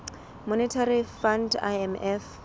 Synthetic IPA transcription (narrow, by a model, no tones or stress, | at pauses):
mɔnɪtʰarifanda̰ɛmɛf